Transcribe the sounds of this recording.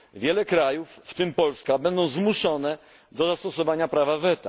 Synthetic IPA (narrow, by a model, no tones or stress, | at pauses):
vʲjɛlɛkɾajufːt̪ɘmpɔlskabɛnd̪ɔ̃w̃zmuʂɔnɛ | d̪ɔzast̪ɔsɔvaɲapɾavavɛt̪a̰